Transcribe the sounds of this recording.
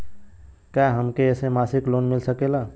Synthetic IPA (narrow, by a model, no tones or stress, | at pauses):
kaɦəmkeesẽmasiklonmilsəkela